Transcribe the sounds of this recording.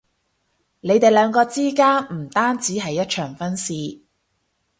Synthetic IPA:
ne˨˧jt̪e˨jlœː˨˧ŋkɔː˧t͡siː˥kaː˥nm̩˨˩t̪aː˥nt͡siː˨˥ɦɐ˨jːɐ˥t̚t͡ʃʰœː˨˩ŋfɐ˥nsiː˨˧

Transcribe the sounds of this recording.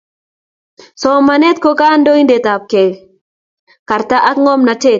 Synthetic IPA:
sɔ˨ma˨ne˦t̪̚ko˦ka˦ndo˦i˦nde˨t̪a˨p̚ke˨ | ka˨ɾt̪a˦ʔa˦kŋɔ˦mna˨te˦

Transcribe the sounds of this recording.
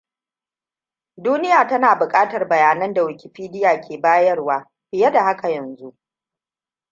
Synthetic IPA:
duː˦nɪ˦jaː˨tɐ˦naː˨bʊ˨kʼaː˦tɐ˨rbɐ˨jaː˨nɐ˦nda˨wɪ˨kʲɪ˨ɸiː˦dɪ˦jaː˨kʲeː˨baː˦jɐ˦rwaː˦ | ɸɪ˨jɐ˦da˨ha˦ka˨jɐ˨nzu˦ʔ

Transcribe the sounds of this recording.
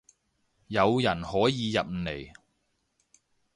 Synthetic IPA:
jɐ˨˧wjɐ˨˩nhɔː˨˥jiː˨˧jɐ˨p̩̚˨ne˨˩j

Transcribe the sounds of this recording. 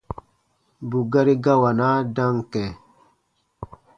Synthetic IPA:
bu˨ɡa˦ɾi˦ɡa˦wa˨na˦da˦ŋkɛ˨

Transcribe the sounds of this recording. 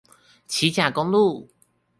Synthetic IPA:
t͡ɕʰi˨˦t͡ɕja˨˩ko˦˥ŋlu˥˨

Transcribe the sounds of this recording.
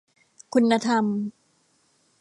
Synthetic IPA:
kʰu˧nːa˧t̪ʰa˧m

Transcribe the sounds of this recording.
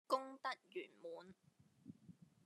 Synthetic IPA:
kʊ˥ŋt̪ɐ˥k̚jyː˨˩nmuː˨˧n

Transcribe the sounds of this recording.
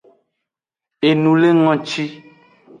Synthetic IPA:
e˨nũ˨le˦ŋɔ̃˨t͡ʃi˦

